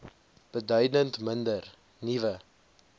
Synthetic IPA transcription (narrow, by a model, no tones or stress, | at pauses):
b̥ədœɥdəntməndər | nivə